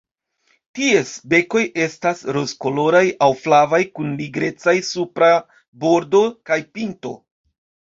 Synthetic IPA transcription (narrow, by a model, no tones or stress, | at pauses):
tie̞sbe̞ko̞jʔe̞stasɾo̞sko̞lo̞ɾajawflavajkunliɡɾe̞t͡sajsupɾa | bo̞ɾdo̞kajpinto̞̰